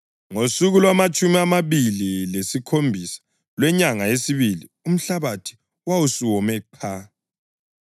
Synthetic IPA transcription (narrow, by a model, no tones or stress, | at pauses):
ŋosuɣulwamat͡ʃʼumiamaβililesikʰombʱisḁ | lwɛɲaŋaesiβili | um̩ɬaβatʰi̥ | wawusuwɔmɛǃʰa